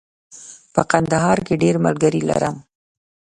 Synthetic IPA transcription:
pəqand̪aɦɑɾkeɖeɾmə̰lɡəɾila̰ɾəm

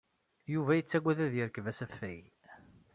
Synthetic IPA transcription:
juvæjət͡sːæɡʷːæðæðjəɾəkvæsæfːæj

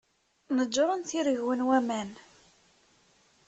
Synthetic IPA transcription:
nəd͡ʒːoɾˤənθiɾəʝwənwæmæn

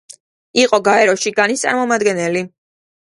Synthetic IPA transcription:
iqʼɔɡaɛɾɔʃiɡanist̪sʼa̰ɾmɔmad̪ɡɛnɛli

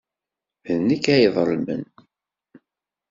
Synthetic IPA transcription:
nəkːæjðˤlmə̰n

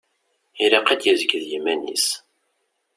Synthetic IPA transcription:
iɾɑqæd̪jəzəɡðjimænḭs

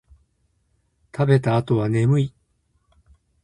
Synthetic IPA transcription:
t̪ʰabe̞t̪aːt̪o̞βane̞mɯ̟i

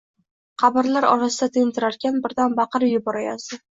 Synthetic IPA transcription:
qʰɑbɪɾlaɾɒ̰ɾasɪd̪at̪ʰɪnt̪ʰɪɾaɾkʲʰanbɪɾd̪anbɑqʰɨɾjʊbɒɾajasɪ

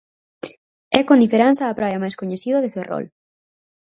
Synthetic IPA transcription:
ɛkond̪ifeɾansɐːpɾajɐmajskoɲeθiðɐðeferɔ̰l

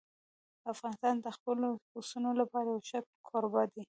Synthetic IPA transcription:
afɣɑnɪst̪ɑnd̪əxpəloxosunolapɑɾajawʃak̚kʰɑɾobɑd̪i

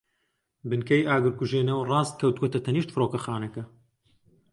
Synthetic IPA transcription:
bɨnkʰɐjaːɡɨɾkuʒeːnɐwrɑːst̪̚kʰɐwt̪wot̪ɐt̪ʰɐniːʃt̪fɨɾoːkɐxaːnɐkɐ

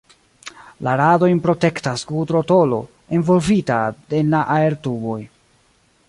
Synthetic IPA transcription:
laɾado̞jnpɾo̞te̞ktaskutɾo̞to̞lo̞̰ | envo̞lvitade̞nlaʔae̞ɾtubo̞j

